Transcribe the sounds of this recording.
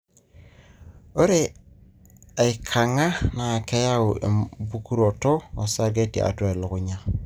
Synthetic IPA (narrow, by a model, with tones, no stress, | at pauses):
o˦ɾe˦˨ | a˨ɪ˨kʰa˨ŋa˦na˨kɛ˦ja˦ʊ˨ʔḛ˨bu˦ku˦ɾo˨tɔː˦˨sa˦ɡe˦tḭ˨a̰˨twa˦˨e˨lʊ˨kʊ˦ɲa˦